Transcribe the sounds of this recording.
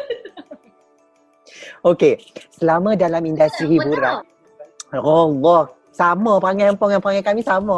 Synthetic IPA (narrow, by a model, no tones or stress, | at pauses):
oke | səlamadalamindast̪ɾihibuɾan | ɔwɔ | saməpaŋajpɔŋapaŋajkamisama